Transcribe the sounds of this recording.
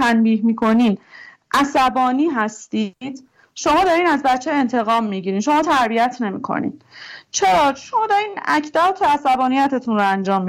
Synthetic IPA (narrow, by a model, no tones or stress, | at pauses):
ænbiːɦmiːkʰo̞niːn | ʔæsæbɒːniːɦæst̪id̪̥ | ʃo̞mɒːd̪ɒɾiːnæzbæt͡ʃʰːee̞nt̪ʰe̞ɣɒːmːiːɟiɾiːnʃomɒːt̪ʰæɾbijæt̪ʰne̞mḭːkʰo̰nḭːd̪t͡ʃʰeɾɒːʃo̞mɒːd̪ɒɾiːnæ̰cʰd̪æt̪ʰoæsæbɒːnijæt̪ʰet̪ʰunɾoænd͡ʒɒːmːi